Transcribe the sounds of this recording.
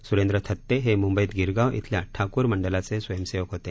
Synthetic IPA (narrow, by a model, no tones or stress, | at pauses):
suɾẽnd̪ɾət̪ʰət̪ːeɦemumbəiːt̪ɡiɾɡaʋʔḭt̪ʰljaʈʰakuːɾməɳɖəlat͡sesʋəjəmseʋəkɦot̪e